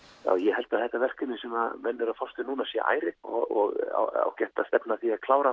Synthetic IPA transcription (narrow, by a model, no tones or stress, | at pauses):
ja̰ːwjɛɦɛlt̪aðθɛht̪ːavɛr̥kʏnːɪsɛmamɛnːʏɾafɔst̪ʏnuːnasjɛ̰ʔa̰ːjɾɪɔɣɔɣa̰wa̰wcɛht̪ast̪ɛpnaθiakʰlaːwɾa